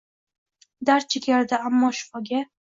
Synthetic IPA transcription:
d̪aɾ̚t͡ʃʰɪkʲaɾd̪aamːɒʃʊ̥fɒɡʲa

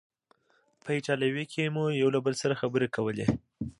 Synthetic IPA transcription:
pəit͡ʃɑlawikʰemujawlabəlsaɾaxabəɾekawəle

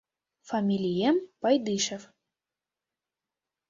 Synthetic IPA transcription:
fɐmʲilʲijɛmpajd̪ɨʃɛf

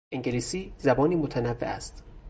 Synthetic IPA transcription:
ʔeŋɟeliːsiːzæbɒːniːmot̪ʰænævːeʔæ̰st̪

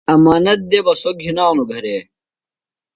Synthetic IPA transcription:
ɐmaːnɐt̪̚d̪ebɐsoɡʱinaːnuɡʱɐɾeː

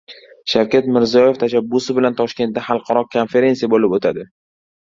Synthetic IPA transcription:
ʃawkʲat̪mɪɾzijɒje̞ft̪ʰaʃabːʊsɪbɪlant̪ʰɒʃkʲe̞nt̪̚d̪aχɑlˠqʰɑɾɒkʰonfe̞ɾe̞nsijabolɪpot̪ʰad̪ɪ

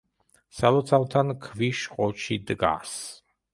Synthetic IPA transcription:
salɔt̪sʰalt̪ʰankʰviʃqʼɔt͡ʃʰid̪ɡa̰s

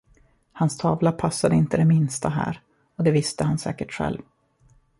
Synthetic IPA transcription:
hanst̪ʰɑːvlapʰasːad̪əɪnt̪əd̪ɛmɪnst̪aɦæ̰ːɾ | ɔd̪ɛvɪst̪əhansɛ̰ːkəʈɧɛ̰lv

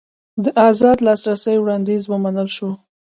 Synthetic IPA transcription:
d̪əʔɑzɑd̪lɑsɾasəjwɽɑnd̪izwəmanəlʃo

